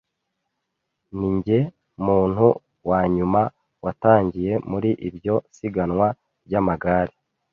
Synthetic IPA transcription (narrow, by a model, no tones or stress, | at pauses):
niɲɟe̞ | muːn̥hu | waːɲuma | wataːɲɟije̞muɾiʔibjo̞siɡanŋwa | bɟamaɡaːɾi